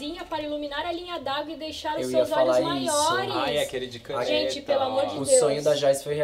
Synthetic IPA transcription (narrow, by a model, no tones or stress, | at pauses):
ĩɲɐpaɾɐiluminaɾɐlĩɲɐd̪aɡwɪd̪ejʃaɾʊewsiewzɔawamajɔɾɪaɐkelɪd͡ʒɪkɐ̃ʒẽt͡ʃɪpelʊamoɾd͡ʒɪʊd̪eswõɲʊd̪aʒajsfojhe